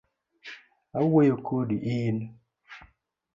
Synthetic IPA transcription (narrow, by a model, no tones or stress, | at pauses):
awejokʰodiʔin